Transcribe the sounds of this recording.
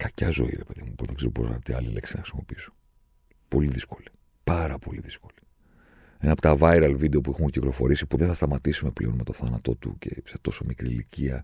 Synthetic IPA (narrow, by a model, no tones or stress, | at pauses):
kɐcɐzo̞̰ḭɾe̞pe̞ðḭmupuzðeɡse̞ɾopo̞sɐ̰t̪iɐlile̞̰ksinɐxɾi̥simo̞̰piiso̥ | po̞liðisko̞li̥ | pɐɾɐpo̞liðisko̞̥li̥ | enɐpot̪ɐvɐjɾɐlvid̪eo̞puixunciklo̞fo̞ɾisi̥puðenθɐst̪ɐmɐt̪isume̞ple̞o̞nme̞t̪o̞θɐnɐt̪o̞t̪ṵce̞se̞̥t̪o̞so̞mikɾiliciɐ